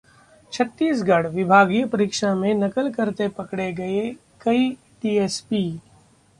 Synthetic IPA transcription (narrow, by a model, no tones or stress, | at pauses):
t͡ʃʰɐt̪ːiːs̬ɡɐɽ̤ʋɪbʱaːɡijpɐɾiːkʃamẽnɐkəlkɐɾt̪epɐkɽeɡɐe | kɐi | ʈiːeːspiː